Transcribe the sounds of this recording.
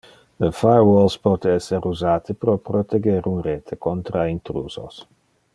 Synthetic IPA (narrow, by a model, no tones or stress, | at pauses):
əfajwɔlspɔːt̪eɛsːeɾuzaːt̪ipɾopɾot̪eɡeɾunreːt̪ʰekont̪ɾaint̪ɾṵːzo̰s